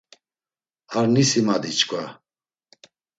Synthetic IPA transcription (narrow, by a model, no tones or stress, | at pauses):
aɾnisimad̪it͡ʃʰʼkʼwa